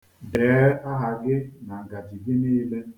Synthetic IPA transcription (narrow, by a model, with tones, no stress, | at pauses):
beː˨˦a˦ɦa˨ɡɪ˦na˨ŋ̩˨ɡa˨ti˨ɡɪ˦niː˦le˦